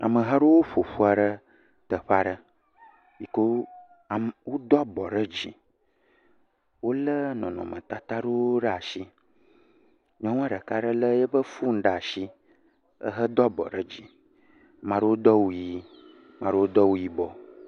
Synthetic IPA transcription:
a̰˨mə̃˨ɦa˦ɖo˦wo˦ɸo˨ɸu˦a˨ɖə˦ | t̪ə˨ɸa˦ɖə˦ | ji˨ko˦˨ | wo˦d̪ɔ˦bɔ˨ɖə˦d͡ʑḭ˨ | wo˦lə˦nɔ̰̃˨nɔ̰̃˨mə̰̃˨t̪a˦t̪a˦ɖo˦o˦ɖə˦a˨ʃi˦ | ɲɔ̃˦wa˦ɖə˨ka˦ɖə˦lə˦jə˦ɸə˦fu˦ŋ̩˦ɖa˨a˨ʃi˦ | ə̰˦ɦə˦d̪ɔ˦bɔ̰˨ɖə˦d͡ʑi˨ | mã˨ɖə˦wo˦d̪ɔ˦wu˦ji˦ | mã˨ɖə˦wo˦d̪ɔ˦wu˦ji˦bɔ˦

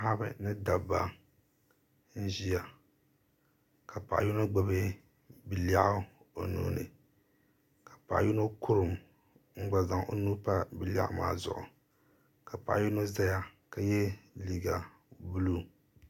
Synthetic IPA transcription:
ha˦bɨ̰˨nɨ˦da˨ba˦ | n̩˦ʒi˦ja˨ | ka˨pa̰˨ʔju˦no˦ɡ͡ba˨bɨ˦ | bi˨la˦˨ʔa˦ | o˨nṵː˨˦nɨ̰˨ | kḁ˨pa˨ʔju˦no˦kʰu˦ɾɨ˨m | ŋ͡m̩˦ɡ͡ba˨za˨ŋo˦nu˦pa˦bi˨la̰˨ʔma̰ː˨zʊ̰˨ʔʊ̰˨ | ka˨pa̰˨ʔju˦no˦za˦ja˦ka˨jɛ˦liː˨ɡa˨ | bu˦lu˦

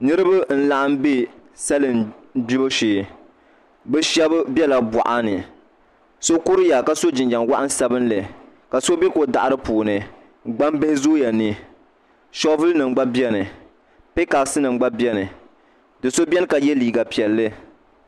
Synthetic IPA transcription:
nɨ˦ɾɨ˦ba˦n̩˦la˦ʔa˦m˦be˦sa˦lɨ˨nbi˦ba˦ʃeː˨ | bɨ˦ʃɛ˦bɨ˦bʲɛ˦la˨ba̰˨ʔa˦nɨ˨ | so˦ku˦ɾɨ˦ja˨ka˨so˦d͡ʒɪ˨nd͡ʒa˨ŋwa˦ʔa˦n˦sa˦bɨ˦n˦lɨ˨ | ka˨so˦bɛ˦ko˨da˨ʔa˨ɾɨ˦puː˨nɨ˨ | ɡ͡ba˦mbɛ˦hɪ˦zoː˦ja˨nɨ˦ | ʃɔ˦vɨ˦lnɨ˨ŋ͡mɡ͡ba˦bi˦ɛ˦nɨ˨ | pe˦ka˨sɨ˦nɨ˨ŋ͡mɡ͡ba˦bjɛ˦nɨ˨ | dɨ˨so˦bʲɛ˦nɨ˦ka˨jɛ˦liː˨ɡa˨pi˨ɛ˨lːɨ˦

